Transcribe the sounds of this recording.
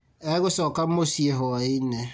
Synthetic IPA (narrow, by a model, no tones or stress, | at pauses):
eɣʊsɔkamosieɦɔine